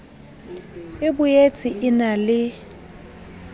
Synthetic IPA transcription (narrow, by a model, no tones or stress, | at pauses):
ɪbʊjet͡sʼɪʔɪnalɪ